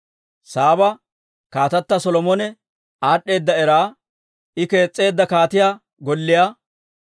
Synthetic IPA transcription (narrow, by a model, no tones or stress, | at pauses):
saːbɐ | kaːt̪ɐt̪ːɐsɔlɔmɔnɛ | aːɗːe̞ːd̪ːɐɛɾaː | ʔɪke̞ːt͡sʼːe̞ːd̪ːɐkaːt̪ɪjaː | ɡɔlːɪja